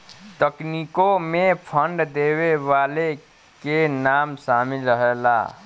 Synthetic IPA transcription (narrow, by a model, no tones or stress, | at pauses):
t̪əknikomepʰəɳɖd̪eweʋale | kenamsamilɾəɦela̰